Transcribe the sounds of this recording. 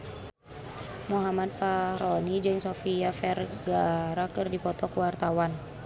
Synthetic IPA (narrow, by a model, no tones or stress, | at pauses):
moɦamad̚faɾɔnid͡ʒɨŋsofiafɛrɡaɾakɨrdipɔt̪ɔkuwart̪awan